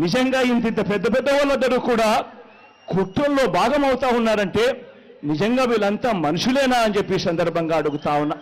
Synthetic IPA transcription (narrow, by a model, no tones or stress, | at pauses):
nid͡ʒɐŋɡaːint̪̬id̪ːɐpɛd̪ːɐpɛd̪ːɐʋɐlɐnd̪ɐɾuːkuːɽaː | kuʈːɐllo̞ːbʱaːɡɐmɐwt̪aːwunːaːɾɐɳʈe̞ː | nid͡ʒɐŋɡaːʋiːlɐnt̪aːmɐnuʂuleːnaːɐnd͡ʒe̞pːisɐnd̪ɐɾbʱɐŋɡaːɐɽuɡut̪aːwunːɐ